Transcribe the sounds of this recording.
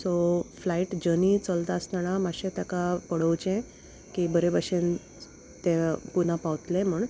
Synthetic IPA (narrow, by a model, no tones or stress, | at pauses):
soflaiʈd͡ʑənit͡səlt̪aːst̪anamaɕẽt̪akapəɽəwt͡ɕẽ | kibəɾebaɕen | t̪ẽpun̤apawt̪lẽm̤uɳ